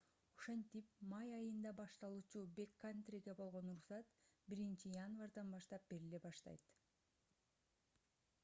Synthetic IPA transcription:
oʃe̞nt̪ipmɑjɑjɯnd̪ɑbɑʃt̪ɑlˠuːt͡ʃube̞kːant̪rʲiɡebo̞lˠʁo̞nuɾsɑt̪biɾint͡ʃijanvard̪ɑnbɑʃt̪ɑp̚be̞ɾile̞bɑʃt̪ɑ̰jt̪

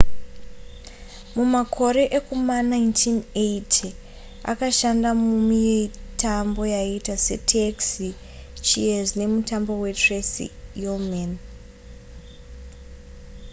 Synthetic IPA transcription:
mumakʰo̞ɾe̞ʔekumanajntʰinetʰi | a̰kaʃandamumijtʰambo̞jaitase̞̰tʰeksi | t͡ʃḭezne̞mutambo̞we̞tresḭjomen

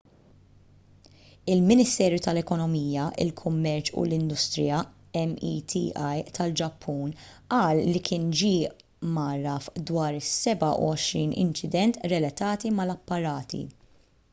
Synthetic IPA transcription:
ɪlmɪnɪst̪ɛːɾjut̪ɐlɛkɔnɔmiːjɐʔɪ̰lkʰʊmːɛɾt͡ʃṵlɪnd̪ʊst̪ɾɪjɐ | ɛmḭːt̪ʰḭːʔɐjt̪ʰɐld͡ʒɐpʰːuːnʔɐːlːikʰɪːnd͡ʒiːʔ | mɐɾɐfd̪wɐːɾɪsɛbɐʔṵɔʃɾiːnɪ̰nt͡ʃɪd̪ɛnt̪ɾɛlɐt̪ɐːt̪imɐlɐpːɐɾɐːt̪ʰḭ

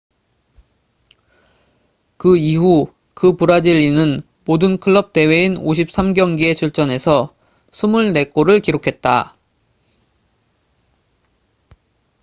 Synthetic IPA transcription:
kɯiɦu | kɯpuɾad͡ʑiɭinɯn | modɯnkʰɯɭːʌp̚t͈e̞we̞inoɕ̬ʰip̚s͈ʰamɡjʌŋɡie̞t͡ɕʰuɭt͡ɕ͈ʌne̞sʰʌ | sʰumuɭne̞k͈oɾɯɭkiɾokʰe̞t̚t͈a̰

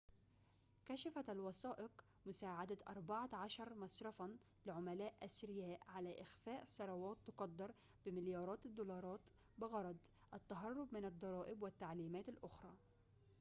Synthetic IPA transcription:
kaʃafaalwɑsɑːʔɪq | mʊsaːʕad̪at̪ʔɑ̰ɾˤbaʕaʕɑʃɑɾˤmɑsˤɾˤɑfɑn | lɪʕʊmalaːʔʔasɾɪjaːʔʕalaːʔɪxfaːʔsˤɑɾˤɑwɑːt̪ːʊqɑd̪ːɑɾˤ | b̥ɪmɪljɑːɾˤɑːt̪ɪd̪ːulɑːɾˤɑːt̪ | bɪɣɑɾˤɑd̪ˤ | ʔat̪ːaɦɑrˤːʊbmɪnɑd̪ˤːɑɾˤɑːʔɪbwɪt̪ːaʕliːmaːt̪alʔʊxɾˤɑː

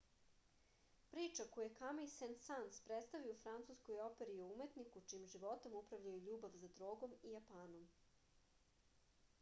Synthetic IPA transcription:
pɾiːt͡ʂakojekamejsensanspɾet̪st̪aʋiofɾant̪suskojo̞pe̞ɾioume̞t̪nikut͡ʂimʒiʋo̞t̪omupɾaʋʎajuʎuːbaʋzad̪ɾo̞ːɡo̞mijapaːno̞m

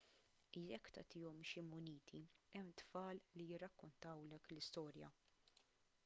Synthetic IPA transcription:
iɛkːt̪ɐ̰t̪iːɔmʃimʊniːt̪ʰiɛmːt̪fɐːllijɪrːɐkːʊnt̪ɐwlɛklɪst̪ɔːɾjɐ

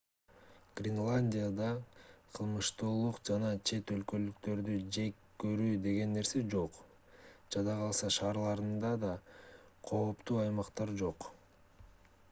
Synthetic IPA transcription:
ɡ̥rʲɪnlˠanʲdʲijad̪ɑqʰɯlˠmɯʃt̪uːlˠuqd͡ʒɑnɑt͡ʃʰe̞t̪ø̞lkø̞lykt̪ø̞ɾd̪yd͡ʒe̞kkːøɾyːd̪e̞ɡe̞nːe̞ɾse̞d͡ʒo̞q | d͡ʒɑd̪ɑʁɑlˠsɑʃɑːɾlˠɑɾɯnd̪ɑd̪ɑ | qʰo̞ːpt̪uːɑjmɑqt̪ɑɾd͡ʒo̞q

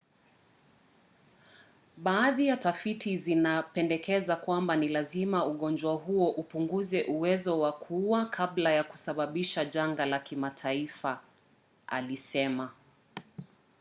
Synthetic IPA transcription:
ɓaːðijatafitʰizinapɛndɛkɛzakwambanilazimauɠɔnd͡ʒwaɦuɔʔupuŋɡuzɛʔuwɛzɔwakʰuwakʰablajaku̥saɓaɓiʃaʄaŋɡalakimatʰaifa | a̰lisɛma

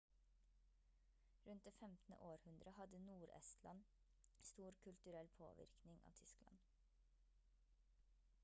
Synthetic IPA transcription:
ɾʉnt̪̚d̪eːfɛmt̪n̩ə̰ʔoːɾhʉnd̪ɾəhɑd̪ənuːɾɛ̰st̪ʰlɑ̰n | st̪uːɾkʰʉlt̪ʉɾɛlpʰo̰ːʋɪ̰ɾknɪŋʔɑ̰ːʋt̪ʰʏsklɑ̰n

